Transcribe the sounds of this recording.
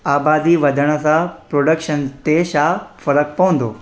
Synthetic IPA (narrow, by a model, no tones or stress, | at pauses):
aːbaːd̪iʋɐd̪ʱəɽ̃əsãpɾoɖəkʃənt̪eɕafɐɾək̚pɐʋə̃nd̪o̰ː